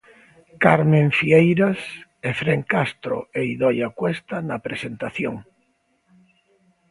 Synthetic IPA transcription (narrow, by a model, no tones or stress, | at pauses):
kaɾmẽɱfiejɾasefɾeŋkast̪ɾo̰eiðɔjakwest̪anapɾesent̪aθjoŋ